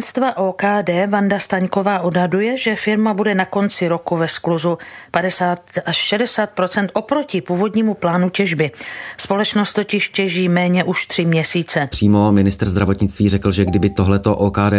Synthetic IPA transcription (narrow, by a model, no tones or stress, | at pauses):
nst̪vaʔoːkaːdɛːvandast̪aɲko̞vaːʔodɦadujɛʒɛfɪɾmabudɛnako̞nt͡sɪɾo̞kuvɛskluzupadɛsaːt̪ʔaʃʃɛdɛsaːt̪̚pɾo̞t͡sɛnt̪ʔo̞pɾo̞cɪpuːvo̞dɲiːmuplaːnucɛʒbɪspo̞lɛt͡ʃnost̪o̞cɪʃcɛʒiːmɛːɲɛʔuʃt̪r̥ɪmɲɛsiːt͡sɛpr̝̥iːmomɪnɪst̪r̩ɾzd̪ɾavo̞t̪ɲɪt͡st̪viːrɛkl̩ʒɛɡdɪbɪt̪oɦlɛt̪oʔoːkaːdɛː